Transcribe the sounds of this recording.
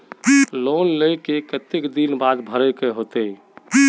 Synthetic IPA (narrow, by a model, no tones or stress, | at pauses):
lonləjkekət̪ekd̪inbad̪bʱəɾɛkeɦot̪ə